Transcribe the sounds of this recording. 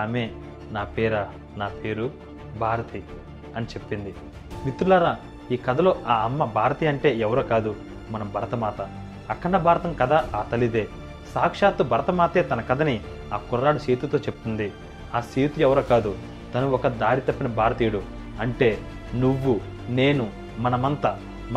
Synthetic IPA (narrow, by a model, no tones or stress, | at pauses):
aːmeː | naːpeːɾɐ | naːpe̞ːɾu | bʱaːɾɐt̪i | ɐnit͡ʃe̞pːind̪i | mit̪ːɾulaːɾaː | iːkɐd̪ɐlo̞ːʔaːɐmːɐbʱaːɾɐt̪iɐɳʈe̞ːɛʋɐɾoːkaːd̪u | mɐnɐmbʱɐɾɐt̪ɐmaːt̪ɐ | ɐkːɐɳɖɐbʱaːɾɐt̪ɐmkɐd̪aːʔaːt̪ɐlid̪e̞ː | saːkʂaːt̪ːubɐɾɐt̪ɐmaːt̪e̞ːt̪ɐnɐkɐd̪ɐni | aːkurːaːɽɐseːt̪ut̪o̞ːt͡ʃep̪ːund̪i | aːseːt̪uɛʋɐɾɐːkaːd̪u | t̪ɐnuɔkɐd̪aːɽit̪ɐpːinɐbʱaːɾɐt̪iːjɽu | ɐɳʈe̞ː | nuʋːu | ne̞ːnu | mɐnɐmɐnt̪ɐ